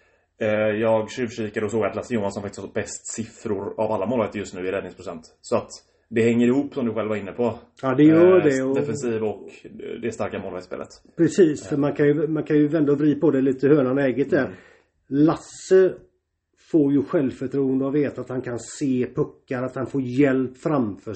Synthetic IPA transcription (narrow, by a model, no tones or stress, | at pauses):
jɑːɡɕʉvʂiːkad̪əɔsoːɡat̪lasːəjuːmansɔmfakt̪ɪ̥sthbɛst̪sɪfɾʊɾa̰valːamoːlvaɡt̪əɾjɵst̪nʉ̟ːɪɾɛd̪ɪŋspɾʊsɛ̰nt̪ | sɔat̪ | d̪ɛhɛŋːəɾɪhuːpːsɔmd̪ɵɧɛlvaɾɪnːəpʰɔ | ɑːd̪ɛjœːɖɛɔd̪ɛfɛnsiːvɔkd̪ɛst̪aɾkamoːlvaɡt̪spḛːlʔə̰t̪ | pʰɾɛsiːsfœɾmankʰanjəmankʰanjɵvɛnd̪ɔvɾiːpɔd̪ɛliːt̪əhøːɳanɛːɡət̪̚d̪æːɾ | lasːə | foːɾjɵɧɛlvfœʈʰɾuːənd̪əavveːt̪aːt̪hankʰanseːpʰɵkːaɾat̪hanfoːɾjɛlpːfɾamfœː